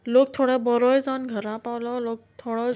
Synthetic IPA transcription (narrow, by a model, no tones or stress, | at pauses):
lok̚t̪ʰoɽɔbɔɾɔjd͡zanɡʱəɾãpawlɔloːk̚t̪ʰoɽɔ